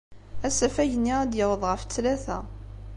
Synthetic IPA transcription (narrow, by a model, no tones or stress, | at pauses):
æsæfæjənːiʁæd̪jəwəðˤʁəft͡sːlæθæ